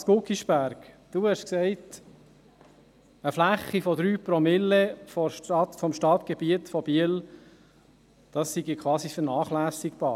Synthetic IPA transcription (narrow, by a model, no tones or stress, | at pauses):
spʊkiʃpæɾk | d̥uhɛʃksɛɪt | əflæχːifɔd̪ɾyːpɾɔmɪlːefɔʃtɑt̪fɔmʃtɑt̪ɡɛbiətfɔb̥iəl | d̥ɑsːiɡikʰwɑːsifəɾnɑːχlæːsɪkb̥ɑː